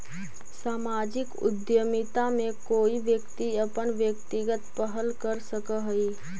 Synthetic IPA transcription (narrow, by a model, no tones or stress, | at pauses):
saːmaːd͡ʒɪkʊ̰d̪jəmɪt̪amẽkoːiʋjəkt̪iəpənʋjəkt̪ɪɡət̪pəɦəlkəɾsəkəɦəi